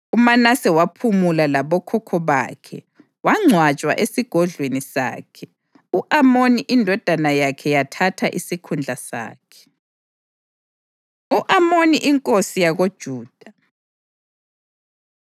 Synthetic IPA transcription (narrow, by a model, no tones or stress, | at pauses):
umanasɛwapʰumulalaβɔkʰɔkʰɔβa̰ːkʰɛ̰ | waŋ͡ǀʱwat͡ʃʼwa̰ʔesiɡ̥ʱɔɮwenisa̰ːkʰɛ | uʔamoniʔindʱɔd̥ʱanajakʰɛjatʰatʰaʔisikʰund͡ɮʱasa̰ːkʰɛ̥ | uʔamoniʔiŋkʼosijaɣod̥ʒ̥ʱuːd̥ʱa